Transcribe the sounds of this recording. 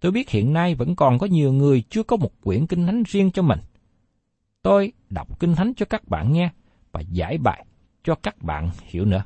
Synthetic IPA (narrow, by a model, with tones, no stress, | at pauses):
t̪o˧jɓi˦˥t̚hḭ˧˨ənːa˧jvə̰˧˥nkɔ˨˩nkɔ˨˦ɲi˨˩əwŋɨ˨˩əjt͡ɕɨ˧əkɔ˨˦mo˨˩t̚kwḭ˧˩ənkï˧ŋt̪ʰa˨˦jŋ̟zi˧ənt͡ɕɔ˧mï˨˩ŋ̟ | t̪o˧j | ɗa̰˨˩wk͡p̚kï˧ŋ̟t̪ʰa˨˦jŋ̟t͡ɕɔ˧kaː˦˥k̚ɓa̰ː˧˨nŋɛ˧ | vaː˨˩za̰ː˧˥˩jɓa̰ː˧˨j | t͡ɕɔ˧kaː˦˥k̚ɓa̰ː˧˨nhḭ˧˩əwnɨ̰˧˥ə